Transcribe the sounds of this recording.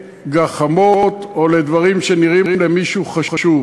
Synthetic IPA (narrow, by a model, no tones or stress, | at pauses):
ɡaχamot̪o̞le̞d̪vaʁimʃeniʁiimlemiʃuχaaʃuv